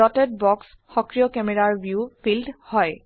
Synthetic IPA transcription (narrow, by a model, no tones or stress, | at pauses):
ɔtɛd̚bɔks | xɔkɹijɔkɛmɛɹaɹbjupʰildhɔj